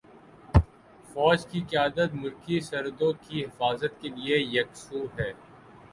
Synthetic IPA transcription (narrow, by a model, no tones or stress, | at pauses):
fɔːd͡ʒkikɪjaːd̪ət̪mʊlkisɐɾd̪õkiɦɪfaːzət̪keliejɐksuːɦɛː